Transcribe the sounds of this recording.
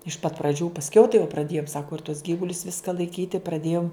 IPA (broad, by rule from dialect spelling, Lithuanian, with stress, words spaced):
ɪʃ pɐt prɐˈd͡ʒʲuː pɐsʲˈkʲɛʊ tɐɪ jɛʊ prɐˈdʲeːjʊm ˈsɑːkʊ ɪr tuɔs ˈɡʲiːʋʊlʲʊs ˈʋʲɪskɐ lˠɐɪˈkʲiːtʲɪ prɐˈdʲeːjʊm